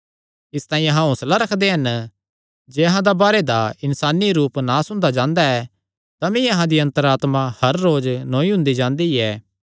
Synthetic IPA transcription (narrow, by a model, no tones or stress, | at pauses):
ɪst̪ãːĩɐɦãɦʊ̃slaɾɐkʰd̪eɦɐn | d͡ʒeːɐɦãd̪abaːɾed̪aɪnsaːniɾuːpnaːsʊ̃nd̪ad͡ʒãːnd̪aɛː | t̪amĩɐɦãd̪iɐ̃nt̪əɾaːt̪mãhɐɾːoːd͡ʒnõːĩɦʊ̃nd̪id͡ʒãːnd̪iɛː